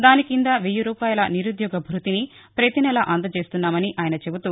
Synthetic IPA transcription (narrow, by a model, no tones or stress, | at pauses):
d̪aːnikind̪aʋejuɾuːpaːjɐlɐniɾud̪jɔːɡɐbʱɾut̪ini | pɾet̪inɐlɐʔɐnd̪ɐt͡ʃe̞ːst̪unːaːmɐniʔaːjɐnɐt͡ʃe̞but̪uː